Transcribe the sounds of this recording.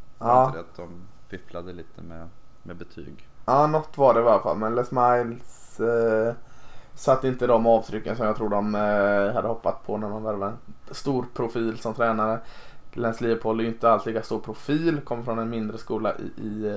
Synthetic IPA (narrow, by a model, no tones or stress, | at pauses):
ɑːd̪at̪̚d̪ɔmpʰɪflad̪əliːt̪ʰəmɛ̰mɛbət̪ʰy̰ːɡɑːnɔt̪ːvaɖɛɪvaɾəfa̰lmɛnlɛsmajls | sat̪ːɪnt̪əd̪ɔmɑːvt̪ʰɾʏkːənsɔmjɑɡt̪ʰɾuːɖ̪ɔmhad̪ːəhɔpːat̪spʰɔnæɾmanvæɾvaɛnst̪uːɾpʰɾʊfiːlsɔmt̪ʰɾɛːnaɾə | lɛnsliːvəpʰoːlæɾjʏɪnt̪əalsliːkast̪uːɾpʰɾʊfiːlkʰɔmːəɾfɾɔnɛnmɪnd̪ɾəskuːla̰ʔɪ̰ɪ